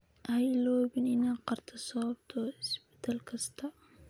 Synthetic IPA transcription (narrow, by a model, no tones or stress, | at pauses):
ʔɐjlɔːβɪnɪnaːqɑrt̪ʰɐsɔβɐbt̪ʰɔɪsbɪ̥t̪ʰaːlkʰɐst̪ʰɐ